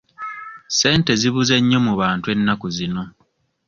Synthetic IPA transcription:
se̞ːnte̞ziβuze̞ɲːo̞muβaːntwe̞nːakuzino̞

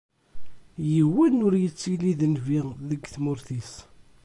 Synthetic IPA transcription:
jəwːinʊɾjət͡sːiliðənviðəɡθmʊɾθis

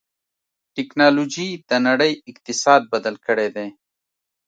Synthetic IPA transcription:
ʈɪknɑlod͡ʒid̪̥ənɐɽəjɪqt̪ɪsɑːd̪̚bɐd̪əlkəɽed̪eː

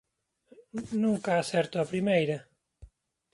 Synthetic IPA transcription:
nũŋkaaːsɛɾt̪oɐpɾimejɾɐ

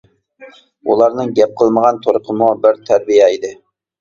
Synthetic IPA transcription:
ulˠɑɾnɨŋɡʲɛp̚qʰəlˠməʁɑnt̪ʰoɾʊqʰəmubɪɾt̪ʰæɾbijɛid̪ɪ

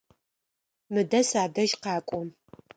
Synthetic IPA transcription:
mɨdɐsaːdɐʒqɑːkʷʼɔm

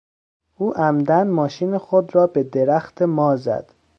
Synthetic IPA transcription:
uːʔæmd̪ænmɒːʃiːnexod̪ɾɒːbe̞d̪eɾæxt̪ʰemɒːzæ̰d̪̥

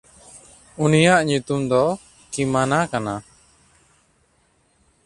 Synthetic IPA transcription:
unijaʔɲut̪umd̪ɔ | kimanakana

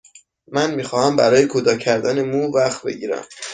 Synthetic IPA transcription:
mænmiːxɒːhæmbæɾɒːjekʰod̪ɒːcʰæɾd̪æne̞muːvæxbe̞̰ɟiːɾæ̰m

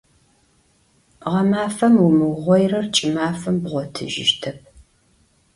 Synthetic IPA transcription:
ʁɐmaːfɐmumɨwʁʷɔjrɐrt͡ʃʼɪmaːfɐmbʁʷɔtʰɨ̰ʒɪ̰ʃtʰɐp̚ʰ

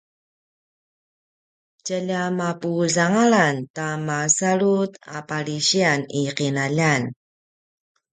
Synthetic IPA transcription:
cəʎamapuzaŋaɭantamasaɭuta̰paɭiɕianiqinaʎan

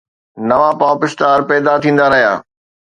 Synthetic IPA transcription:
nɐʋapaːpɪst̪aːɾpɛːd̪at̪ʰĩːn̆d̪aɾɐɦja̰ː

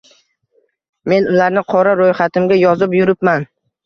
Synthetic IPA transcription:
me̞nʊlaɾnɪqʰɒɾaɾojχat̪ʰɪmɡʲajɒzɪpjʊɾɪpman

